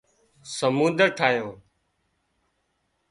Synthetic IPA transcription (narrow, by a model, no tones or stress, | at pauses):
səmũːnd̪əɾʈʰaːɦjõː